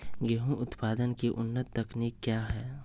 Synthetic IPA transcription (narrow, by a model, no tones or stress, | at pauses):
ɡɛɦũʔʊt̪paːd̪ənkiʔʊnːət̪ːɐkniːkːjaːɦɛː